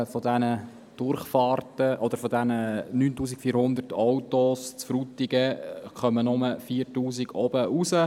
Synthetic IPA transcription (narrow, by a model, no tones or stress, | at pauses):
fɔdɛnə | d̥ʊɾχfɑːrtəʔɔd̪̥əɾfɔdænənyːntuːs̬ikfiːɾhʊnd̪ərtɔwtost͡sfɾut̪iɡəχœmənʊməfiːɾtuːsiɡɔbəʔusə